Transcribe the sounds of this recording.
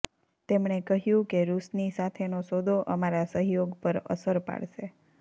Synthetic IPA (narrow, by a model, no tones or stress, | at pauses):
t̪emɳekəɦjũkeɾusnisat̪ʰenosod̪ʱoʔəmaɾasəɦjoɡpəɾə̰səɾpa̰ɭʃe